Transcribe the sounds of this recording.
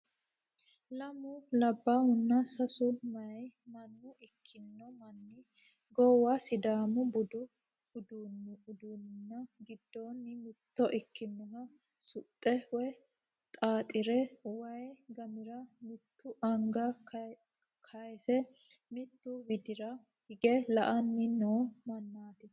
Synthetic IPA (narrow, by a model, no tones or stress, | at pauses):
lɐmʊlɐbːahʊnːɐsɐsʊmɐjmɐnːʊɪkʰːɪnːɔmɐnːɪ | ɡɔwːɐsɪd̪aːmʊbʊd̪ʊ | ʊd̪unːʊd̪unnːɐɡɪd̪ːoːnːɪmɪt̪ːɔʔɪkːɪnːɔnɐ | sʊt̪ʼːɛwɛ | t̪ʼaːt̪ʼɪɾɛwɐjɡɐmɪɾɐmɪt̪ːʊʔɐŋɡɐ | kʰɐjsɛ | mɪt̪ːʊwɪd̪ɪɾɐ | hɪɡɛlɐʔɐnːɪnoːmɐnːaːt̪ɪ